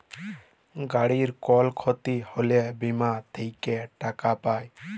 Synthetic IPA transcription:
ɡaɽiɾkɔlkʰot̪iholebimat̪ʰejkeʈakapaj

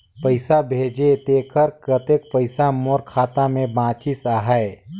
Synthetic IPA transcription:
pəɪsabʱeːd͡ʒet̪eːkəɾkɾət̪eːk̚pəɪsamoːɾkʰaːt̪amẽbãːt͡ʃɪsaːɦəe

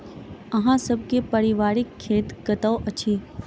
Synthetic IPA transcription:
ɐɦãsəb̚kepəɾɪʋaːɾɪkʰːeːt̪kət̪əʋʔət͡ʃʰiː

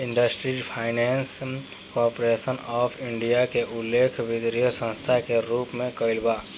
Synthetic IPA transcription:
ɪ̃ɳɖəsʈɾipʰaːɪnɛːns | kɔːɾpɾesənɔːpʰɪ̃ɳɖijakeʔʊleːkʰʋɪd̪ɾijəsə̃nst̪ʰakeɾuːpmẽkəɪlbaː

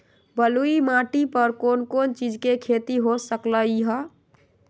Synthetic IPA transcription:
bəluimaʈipəɾkonkont͡ʃid͡ʒkekʰet̪iɦosəkləiɦə

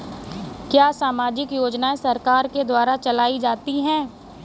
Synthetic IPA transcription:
kjaːsaːmaːd͡ʒɪkjoːd͡ʒnaẽsɐɾkaːɾked̪waːɾat͡ʃɐlaːid͡ʒaːt̪iɦɛ̃ː

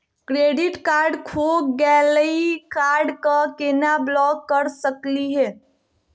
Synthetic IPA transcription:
kɾeɖɪʈkaːɾɖkʰoɡɛləikaɾɖkəkenablɔkːəɾsəkliɦɛː

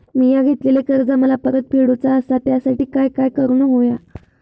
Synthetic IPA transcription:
miːjaɡʱet̪lelekəɾd͡zaməlapəɾət̪̚piɽut͡saəsat̪jasaʈiːkajkajkəɾuːnəɦoja

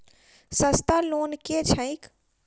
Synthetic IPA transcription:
səst̪aloːnket͡ʃʰə̃ik

